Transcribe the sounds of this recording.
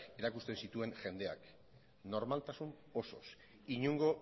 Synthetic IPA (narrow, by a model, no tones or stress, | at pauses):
e̞ɾakust̪e̞nsit̪ue̞ŋʝe̞nd̪e̞ak | no̞ɾmalt̪asun | o̞so̞̰s | iɲuŋɡo̞